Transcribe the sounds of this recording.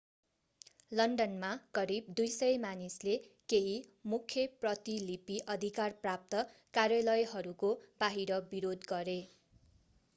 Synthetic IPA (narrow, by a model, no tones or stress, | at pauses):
lʌnɖʌnmakʌɾib̚d̪ujsʌjmanislekeɦimukʰjʌprʌt̪ilipiʔʌd̪ʱikarprap̚t̪ʌkarjʌlʌjɦʌɾukob̥aɦiɾʌbiɾod̪ɡʌɾe